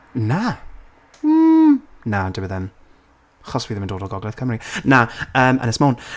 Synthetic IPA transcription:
na | nadɪwəðɛm | χɔswiːðɛməndoːdɔlˠɡɔɡlˠɛθkʰəmɾinaəːmʔə̰nɛsmown

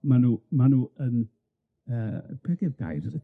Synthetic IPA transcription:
manumanuən | əːpʰɛdɛðɡa̰jɾəðə

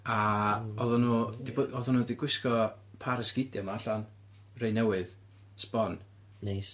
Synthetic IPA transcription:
aɔðɔnuːd̥iboɔðʊnuːdiɡwɪskɔ | pʰaɾəsɡ̥ɪdjamaaɬan | rejnɛwɨð | spɔn | nes

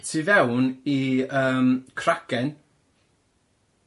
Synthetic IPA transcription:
tʰivɛwniəːmkʰr̥akɛn

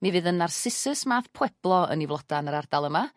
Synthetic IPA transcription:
mivɨːðənarsɨsɨsmaːθpʰwɛb̥lˠɔə̰nivlˠɔd̥anəɾard̥alˠəma

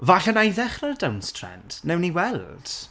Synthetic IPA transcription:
vaɬənajðɛχrarədawnstʰrɛ̰nd̥nɛwniwɛlˠd̥

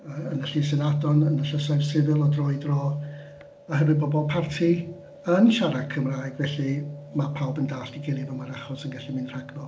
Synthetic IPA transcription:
əənəɬisɛnadɔnənəɬəsavsɪvɨlˠɔdrɔɨdrɔ | əhənwɨbɔbɔlˠpʰartʰi | ənʃaɾakʰəmraːjɡvɛɬimapʰawbəndaːɬd̥iɡɪlˠivɛwmaɾaχɔsənɡaɬimɨnr̥aɡnɔ

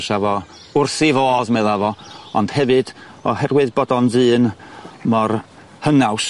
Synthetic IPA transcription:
ʃavɔ | ʊrθivɔːðmɛðavɔɔnd̥hɛvɨd̥ɔɦɛrwɨðbɔdɔndɨːnmɔr | hənaws

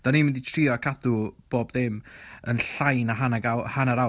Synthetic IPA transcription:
d̥aniːmɪnditʰriɔkʰadʊb̥oːbðɪmənɬajnaɦanaɡawhanaɾaw

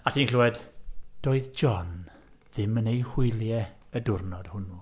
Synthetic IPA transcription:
atʰiːnluɛdd̥oːɨðd͡ʒɔn | ðɪmənejhʊɨlˠjɛ | ədʊrnɔd̥hʊnu

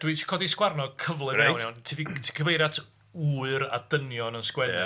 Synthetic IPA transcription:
d̥wiːtʰkʰɔdiskwarnɔkʰəvlˠɨɛwnɛwntʰivitʰi̥kʰəvejɾatʰ | uːɨɾa̰d̥ənjɔnənskwɛd

